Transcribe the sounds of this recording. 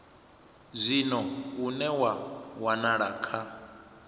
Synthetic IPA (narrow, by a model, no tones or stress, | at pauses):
zʷinɔunɛwawanaɺaːkʰa